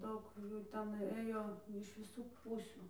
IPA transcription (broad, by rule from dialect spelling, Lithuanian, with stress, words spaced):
ˈdɐʊk ˈjuː ˈtʲɛn ˈɘjoː ɪʃ ʋʲɪˈsuː ˈpuːsʲuː